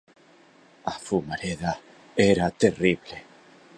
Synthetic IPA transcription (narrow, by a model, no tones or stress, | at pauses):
afumaɾeða | eɾat̪eriβle